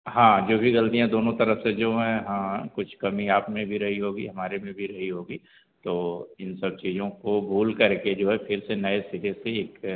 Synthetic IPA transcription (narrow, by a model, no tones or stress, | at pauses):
ɦãːd͡ʒoːbʱiɡɐlt̪ijãd̪oːnõt̪ɐɾəfsed͡ʒoːɦɛ̃ɦãːkʊt͡ʃʰkɐmiaːpmẽbʱiɾɐɦiɦoːɡḭɦɐmaːɾemẽbʱiɾɐɦiɦoːɡiː | t̪oːɪnsɐb̚t͡ʃiːd͡ʒõkobʱuːlkɐɾked͡ʒoːɦɛpʰɪɾsenɐesɪɾeseeːk